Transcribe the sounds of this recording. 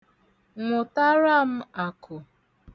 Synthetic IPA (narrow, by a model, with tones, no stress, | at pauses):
ŋʷʊ˨ta˦ɾa˦m̩˦a˨kʰʊ˨